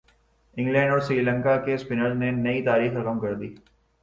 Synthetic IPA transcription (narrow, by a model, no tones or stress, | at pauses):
ɪ̃ŋɡlɛ̃ːɳɖɔːɾsɾiːlə̃ŋkakespɪnəlnenɐit̪aːɾiːxɾɐkəmkɐɾd̪iː